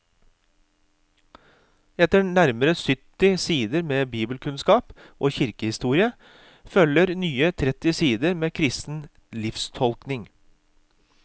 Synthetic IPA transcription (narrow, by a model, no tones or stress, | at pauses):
ɛt̪ənæɾməɾəsʏt̪ɪsiːd̪əɾmeːbiːbəlkʰʉnskɑːpʔoːçɪɾkəhɪst̪uːɾɪə | fœləɾnyːət̪ʰɾɛt̪ɪsiːd̪əɾmeːkʰɾɪst̪n̩ | lɪfst̪ʰɔlknɪŋ